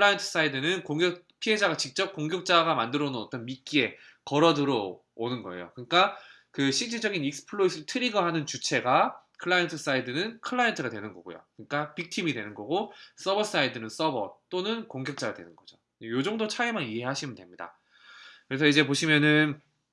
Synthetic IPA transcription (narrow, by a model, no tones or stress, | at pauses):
kʰɭːaintʰɯ̥s͈aidɯnɯnkoŋɡjʌk̚ | pʰiɦe̞d͡ʑaɡat͡ɕik̚t͡ɕ͈ʌp̚k͈oŋɡjʌk̚t͡ɕ͈aɡamandɯɾonɯnʌt͈ʌnmik͈ie̞ | kʌɾʌdɯɾo | onɯnɡʌe̞̰jo̰kɯɲik͈a | kɯɕʰid͡ʑ͈ed͡ʑʌɡinik̚s͈ɯ̥pʰɯɭois͈ɯɭtʰɯɾiɡʌɦanɯnt͡ɕut͡ɕʰe̞ɡa | kʰɯɭːaintʰɯs͈aidɯnɯnkʰɯɭːaentʰɯɡadwe̞nɯnɡʌɡo̰jo̰kɯɲik͈apik̚tʰimidwe̞nɯnɡʌɡos͈ʌbʌs͈aidɯnɯns͈ʌbʌ̰t̚t͈onɯnkoŋɡjʌk̚t͡ɕ͈aɡadwe̞̰nɯnɡʌd͡ʑo | ejod͡ʑʌŋdot͡ɕʰaimaniɦe̞ɦaɕʰimɯndwe̞mɲida̰ | kɯɾesʰʌid͡ʑe̞poɕʰimjʌnɯn